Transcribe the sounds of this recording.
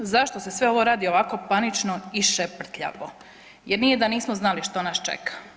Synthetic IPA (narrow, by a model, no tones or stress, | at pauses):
zaʃt̪osesʋeo̞ʋo̞ɾaːd̪io̞ʋako̞panit͡ʃno̞iʃepr̩t̪ʎa̰ʋo̰ | jeɾnije̞d̪aniːsmoznaliʃt̪o̞nast͡ʃḛkʰḁ